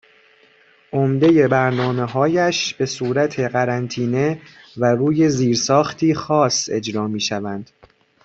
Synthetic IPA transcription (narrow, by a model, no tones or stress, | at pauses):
ʔomd̪e̞je̞bæɾnɒːme̞ɦɒːjæʃb̥e̞suːɾæt̪ʰe̞ɢæɾænt̪ʰiːne̞ | væruːje̞ziːɾsɒːxt̪ʰiːxɒːse̞d͡ʒɾɒːmiːʃævænd̪̥